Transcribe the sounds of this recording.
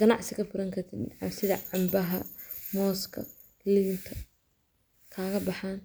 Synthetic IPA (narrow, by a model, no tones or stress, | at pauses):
ɡ̥ɐnɑʕsɪkɐfʊɾɐŋkʰɐrt̪ʰɪd̪ʕɑ̰msɪðɐʕɑmbɐɦɐ̰mɔːskʰɐ̰ | lɪɪŋt̪ʰɐ | kʰaːɣɐbɑħaːn